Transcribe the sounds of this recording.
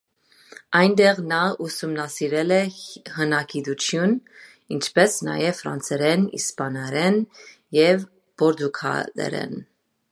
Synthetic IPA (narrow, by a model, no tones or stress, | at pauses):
ɑjnd̪ɛʁnɑusumnɑsiɾɛlɛhənɑkid̪ut͡sʰjun | int͡ʃʰpɛsnɑ̰jɛvfɾɑ̰nt͡sʰɛɾɛnḭspɑnɛɾɛn | jɛv | b̥ɔɾd̪ukʰɑ̰lɛ̰ɾɛ̰n